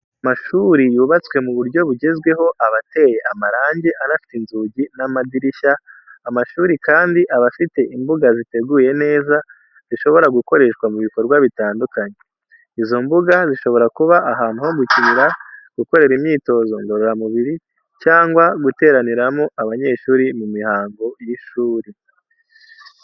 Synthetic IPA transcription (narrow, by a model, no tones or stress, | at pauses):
amaʃuɾijuːβat͡swe̞muβuɾɟo̞βuɟe̞zɡwe̞ɦo̞ʔaβate̞je̞ʔamaɾaːɲɟeʔanafi̥tinzuɟinamadiɾiʃaːmaʃuːɾikaːndiʔaβafite̞ʔimbuɡazite̞ɡuje̞ne̞ːza | z̥iʃo̞βo̞ɾaɡuko̞ɾe̞ʃkwamuβiko̞ɾɡwaβitaːndukaɲe | izo̞mbuɡaziʃo̞βo̞ɾakuβaʔːɦaːn̥uho̞ɡucimiɾaɡ̥uko̞ɾe̞ɾimɲiːto̞zo̞ŋɡoɾuɾamuβiɾi | caːŋɡwaɡute̞ːɾaniɾamo̞ʔaβaɲe̞ːʃuːɾimumihaːŋɡo̞jiʃuːɾi